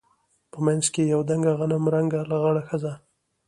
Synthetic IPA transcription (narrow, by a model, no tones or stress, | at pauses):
pəmajnzkejawd̪aŋɡaɣanamɾaŋɡalaɣaɽaxəza